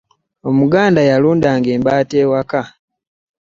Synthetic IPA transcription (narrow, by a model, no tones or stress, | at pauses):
o̞muɡaːndajaluːndaːŋɡe̞ːmbaːte̞ːwaka